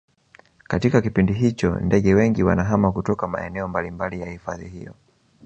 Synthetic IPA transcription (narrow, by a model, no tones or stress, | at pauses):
katikakipindiɦit͡ʃɔ̰ndɛɠɛwɛŋɡiwa̰naɦamakutɔkama̰ɛ̰nɛɔmbalimbalijahifaðihḭjɔ̰